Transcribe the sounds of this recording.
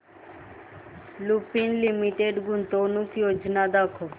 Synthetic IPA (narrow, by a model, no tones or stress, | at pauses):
lupinlimiʈeɖɡunt̪onukjod͡ʒnad̪akʰo